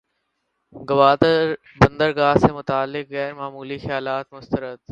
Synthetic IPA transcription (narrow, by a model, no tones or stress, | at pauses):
ɡɐʋaːd̪əɾ | bə̃nd̪əɾɡaːɦsemʊt̪aːlːɪkɣɛːɾmaːmuːlixəjaːlaːt̪mʊst̪əɾət̪